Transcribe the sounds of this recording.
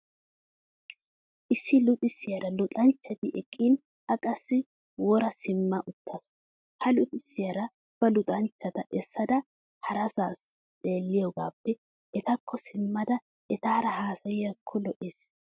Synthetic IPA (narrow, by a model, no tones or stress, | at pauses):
ʔɪsːɪlʊt̪ʼɪsːɪjɐɾɐlʊt̪ʼɐnt͡ʃːɐt̪ɪʔɛkʼːin | ɐkʼɐsːɪ | wɔɾɐsɪmːɐʔʊt̪ːɐs | hɐlʊt̪ʼɪsːɪjɐɾɐ | b̥ɐlʊt̪ʼɐnt͡ʃːɐt̪ɐʔɛsːɐd̪ɐ | hɐɾɐsaːs | t͡sʼe̞ːlːɪjɔɡaːpːɛ | ʔɛt̪ɐkʰːɔsɪmːɐd̪ɐ | ʔɛt̪aːɾɐɦaːsɐjɪjɐkʰːɔlɔʔes